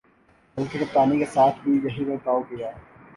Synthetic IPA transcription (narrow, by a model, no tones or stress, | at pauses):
bɐlkekɐpaːnikesaːt̪ʰbʱijɐɦibɐɾt̪aːoɡɐjaː